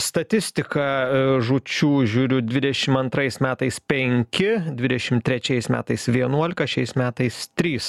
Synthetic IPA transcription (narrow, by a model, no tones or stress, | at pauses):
st̪ɐt̪ʲɪsʲt̪ʲɪkɐʒʊt͡ʃʲuːʒʲuːɾʲʊd̪ʲʋʲɪd̪ʲɛʃʲɪmɐnt̪ɾɐɪsmʲæːt̪ɐɪspʲɛŋʲkʲɪd̪ʲʋʲɪd̪ʲɛʃʲɪmt̪ʲɾʲɛt͡ʃʲɛɪsmʲæ̰ːt̪ɐɪsʋʲiɛnuɔlʲɪkɐʃʲɛɪsmʲæːt̪ɐɪst̪ʲɾʲiːs